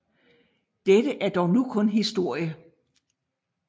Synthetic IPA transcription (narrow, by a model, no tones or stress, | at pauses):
d̥edəʔæɐd̥ɒʊnukʰɔ̽nɦisd̥o̝ɐ̰jə